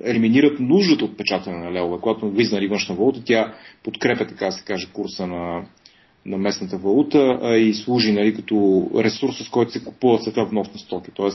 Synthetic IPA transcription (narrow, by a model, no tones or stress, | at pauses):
ɛliminiɾət̪nuʒd̪ət̪əot̪̚pɛt͡ʃat̪ɐnɛnɐlɛovɛkoɡat̪oɡiznəlivɤnʃnvɐlˠut̪ət̪ʲapot̪kɾɛpʲjət̪ɐ̥kad̪ɐsɛ̥kaʒɛkuɾsənɐ | nɐmɛsnət̪əvɐlˠut̪əislˠuʒinɐlikɐt̪ɔɾɛsuɾsːəskɔjt̪ʊ̥sɛku̥puvət̪sɛt̪avnɔsnɐst̪ɔki̥t̪ɔɛs